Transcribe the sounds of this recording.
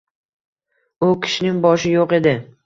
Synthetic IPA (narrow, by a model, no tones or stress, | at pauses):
ʊkʲʰɪ̥ʃɪnɪŋbɒʃɪjoqe̞d̪ɪ